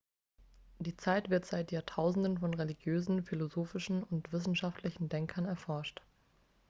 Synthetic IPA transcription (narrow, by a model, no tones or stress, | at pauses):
d̥iːt͡saɪtv̥ɪɐtz̥aɪtjaːɐtʰaʊzn̩dənfɔnʁeliɡjøːzn̩filozoːfɪʃn̩ʊntv̥ɪs̬n̩ʃaftʰlɪçn̩dɛŋkʰɐnɛɐfɔɐʃt